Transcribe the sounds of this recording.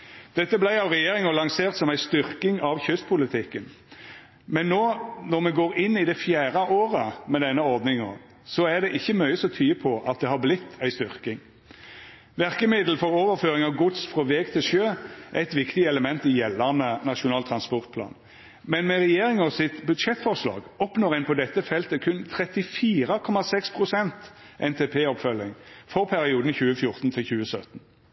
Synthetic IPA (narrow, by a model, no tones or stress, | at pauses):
d̪̥ɛt̪ːəblæɪɑʋʁɛjeːɾɪŋəlɑŋseːʁt̪sɔmæɪst̪ʏɾkɪŋɑʋçʏst̪pʰʊlɪt̪ʰɪkːən | mɛnːoːnɔmɛɡoːɾɪnːɪd̪ɛfjæːʁəʔoːʁəmɛd̪ɛnːəɔʁd̪nɪŋɔ̰ | sɔæʁd̪ɛʔɪçːəmœʏəsɔt̪ʰyːəpʰɔʔɑt̪̚d̪ɛhɑblɪt̪ʰːæɪst̪ʏʁkɪŋ | ʋæʁkəmɪd̪l̩fɔɾoːʋəɾføːʁɪŋɑʋɡʊt̪sfʁɔʋɛːɡt̪ʰɪlʃøːʔæɪt̪ʋɪkt̪ɪɛləmɛnt̪ɪjɛlːæʁnənɑʃʊnɑːlt̪ʰʁɑnspɔʁt̪̚pʰlɑ̰ːn | mɛnmɛʁɛjeːʁɪŋɔsɪt̪bʉd̪ʃɛt̪fɔʁʂlɑ̰ːɡɔpnoːʁæɪnpʰɔd̪ɛt̪ːəfɛlt̪əkʰʉnt̪ʰɾɛt̪ɪfiːʁəkʰɔmɑsɛkspʰʁʊsɛnt̪ | ʔɛnt̪ʰepʰeːɔpfœlɪŋfɔʁpʰæɾɪuːd̪n̩çʉːəfjʊʁt̪n̩t̪ʰɪlçʉːəsœt̪n̩